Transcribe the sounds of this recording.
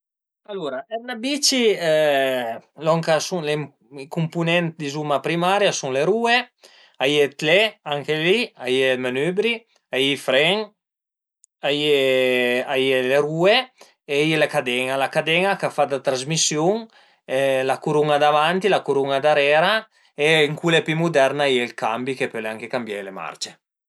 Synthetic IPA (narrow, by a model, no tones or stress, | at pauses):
aluɾaɛnabit͡ʃi | lɔŋkasuŋle | ikumpunɛnt̪d̪izumapɾimaɾjasuŋleɾue | ajet̪leaŋkeliajelmanøbɾi | ajifɾɛŋ | aje | ajeleɾuːe | ejelekad̪ɛŋalakad̪ɛŋakafad̪at̪ɾazmisjuŋ | lakuɾuŋad̪avant̪ilakuɾuŋad̪aɾɛːɾa | eŋkulepymud̪ɛɾnaieilkambikepølaŋkekambjalema̰ɾt͡ʃe